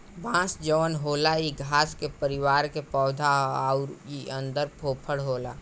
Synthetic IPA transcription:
bãːsd͡ʒəʋənɦoːlaiɡʱaːskepəɾɪwaːɾkepɔːd̪ʱaɦaʊɾiə̃nd̪əɾpʰoːpʰəɽɦoːla̰ː

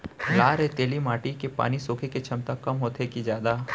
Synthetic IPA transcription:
laːɾet̪eːlimaːʈikepa̰ːnisoːkʰeket͡ʃʰɐmt̪akɐmɦoːt̪ʰekid͡ʒjaːd̪aː

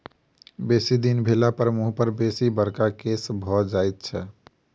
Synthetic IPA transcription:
besid̪inbʱelapəɾmuɦpəɾbesibəɾkakesbʱɔd͡ʒajt̪̚t͡ʃʰɛ

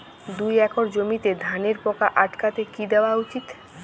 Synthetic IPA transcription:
d̪ujɛkʰoɾd͡ʑomit̪ed̪ʱaneɾpɔkaʔaʈkat̪ekid̪eoaut͡ɕit̪

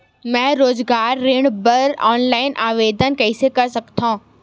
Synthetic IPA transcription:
mɛ̃ːɾoːzɡaːɾːeːɽ̃bɐɾa̰ːnlaːɪnʔaːʋeːd̪ənkɐisekɐɾsɐkt̪ʰãː

